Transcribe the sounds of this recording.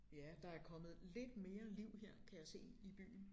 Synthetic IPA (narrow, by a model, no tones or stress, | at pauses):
jæd̥ɑ̈æɐkʰɒ̽məð̩ˠle̝d̥me̝ːɐliʊ̰heɐ̰kʰæjɑse̝̰ːib̥y̰ːn̩